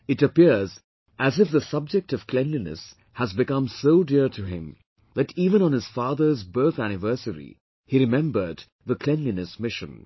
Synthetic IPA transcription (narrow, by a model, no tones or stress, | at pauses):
ɨɾɨpiɹz | ʔæzɨfðəsʌb̚d͡ʒɛk̚tʌv̥kʰlɛ̃nlinɨ̰s | hæzbɨkʌ̃msoʊdɪɹtʰɨɪ̰̃m | ðɨtivə̃ñə̃nɨz̥fɑːðə˞zbɜ˞θæñɨvɜ˞səɹḭ | hiɾɨmɛ̃mbə˞d̪ | ðəkʰl̥ɛ̃nlinɨsmɪʃɨ̰̃n